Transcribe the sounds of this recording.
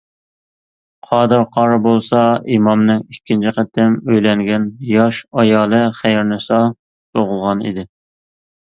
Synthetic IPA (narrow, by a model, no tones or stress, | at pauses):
qʰɑːd̪ɨɾqʰɑɾɑbolˠsɑimɑmnɪŋikʲʰːint͡ʃʰɪqət̪ʰɪmøjlɛŋɡʲɛnjɑʃɑjɑːlˠɨχæjɾnɨsɑ | soʁʊlˠʁɑnḭd̪ɪ